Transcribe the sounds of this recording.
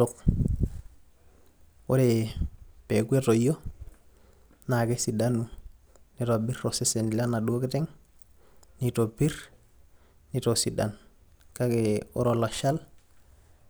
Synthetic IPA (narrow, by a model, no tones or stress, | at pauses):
ok | o̰ɾe | peɡuetojo | nakesidanu | nitobiɾɾosesenilanaɗuketeŋ | nitobiɾ | nitosida̰n | kakeo̰ɾolaʃal